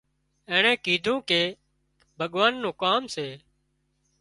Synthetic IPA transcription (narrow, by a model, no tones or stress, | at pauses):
ẽːɳẽːkiːd̪ʱũːkeː | bʱəɠʋaːnːũːkaːmseː